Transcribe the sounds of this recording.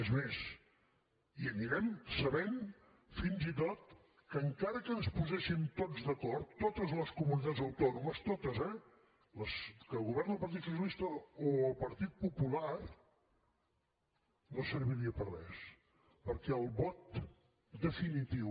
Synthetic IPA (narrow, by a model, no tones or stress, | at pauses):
ezmes | iəniɾɛmsəβen | finzit̪ot̪̚ | kəŋkaɾəkənspuzɛʃint̪od͡zzðəkɔrt̪ːot̪əzləskumunit̪add͡zzðəwt̪ɔnuməst̪ot̪əzɛ | ləskəlˠɣuβɛɾnəlˠpəɾt̪it̪sus̬jəlist̪əoəlˠpəɾt̪it̪̚pupular | nosəɾβiɾiəpərrɛs | pəɾkɛəlˠβɔt̪̚ | d̪əfinit̪iw